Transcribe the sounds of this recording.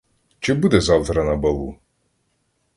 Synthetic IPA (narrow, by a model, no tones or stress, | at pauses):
t͡ʃɪbud̪ɛzɑwt̪ɾɐnɐbɐlˠu